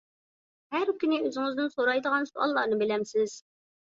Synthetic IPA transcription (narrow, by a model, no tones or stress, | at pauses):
hæɾkʲynɪøzɪŋɪznɪnsoɾɑjd̪əʁɑnsuɑ̰lˠːɑːnɨbɪlɛmsɪz̥